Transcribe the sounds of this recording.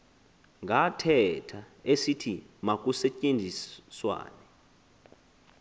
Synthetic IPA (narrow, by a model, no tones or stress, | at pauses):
ŋɡʱatʰɛtʰa | esitʰimak̬ʼusɛcʼend͡zʱiswa̰ːnɛ